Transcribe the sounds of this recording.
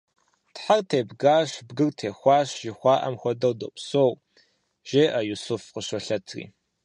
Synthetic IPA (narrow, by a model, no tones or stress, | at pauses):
tħartʰeːbɡaːɕbɡɨrtʰeːxʷɑːɕʒɪxʷɑːʔɐmxʷɔdɐwdɨpsoːw | ʒ̥eːʔɐjusʊfqəɕɐɬɐtʰrḭː